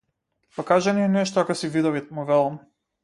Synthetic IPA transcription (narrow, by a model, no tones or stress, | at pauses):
pakaʒaniɛnɛʃt̪ɔakasivid̪ɔvimuvɛlˠam